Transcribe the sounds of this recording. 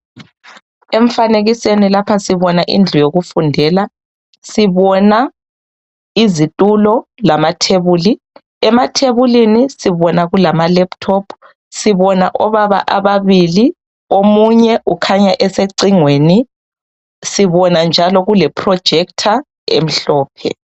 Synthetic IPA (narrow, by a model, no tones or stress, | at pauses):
em̩faneɣisenilapʰasiβɔnaʔḭnd͡ɮʱɛjoɣufundʱɛla | siβɔna | izitʼulɔlamatʰeβuːli | ɛmatʰeβulinisiβɔnaɣulamalɛptʰɔpʰ | siβɔnaʔɔβaβa̰ʔaβaβili | omuɲɛʔukʰaɲaʔɛseǀiŋweni | siβɔnand͡ʒʱalɔɣulɛpʰrɔd̥d͡ʒ̥ʱɛk̚tʰa | ḛm̩ɬɔːpʰɛ̰